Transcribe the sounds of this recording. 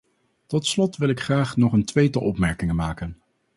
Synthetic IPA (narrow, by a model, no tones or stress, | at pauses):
tɔtslɔtʋɪlˠɪkχraːχnɔχəntʋejtəʔɔpmɛɹkɪŋəmaːkən